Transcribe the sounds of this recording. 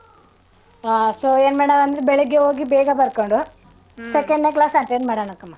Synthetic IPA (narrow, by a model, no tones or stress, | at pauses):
asoːeːnmeːɽɐʋɐnd̪ɐɾebeɭuɡːeɦoːɡibɛːɡɐbɐɾkoɳɖu | sekeɳɖneklaːsɐɳʈeːnmaːɽɐɳɐkːɐmːa